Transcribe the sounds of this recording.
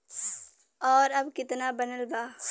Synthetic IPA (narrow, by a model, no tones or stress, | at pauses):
ɔːɾɐbkɪt̪nabɐnəlɡaː